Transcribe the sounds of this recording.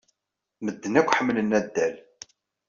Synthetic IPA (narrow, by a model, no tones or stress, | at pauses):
məd̪ːənækʷːħəmːlənːæd̪ːæl